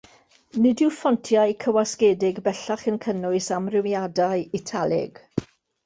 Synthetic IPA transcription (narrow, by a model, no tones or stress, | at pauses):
nɪdɪfɔntʰjajkʰəwaskeːdɪɡbɛɬaχənkʰənʊɨsamrɪwjadajitʰalˠɪ̰ɡ̥